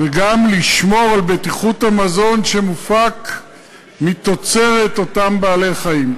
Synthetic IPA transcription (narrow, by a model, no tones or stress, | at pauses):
veɡamliʃmo̞ʁalbetiχuthamazo̞nʃe̞mufak | mit̪o̞t͡se̞ʁeto̞tambaːle̞χaim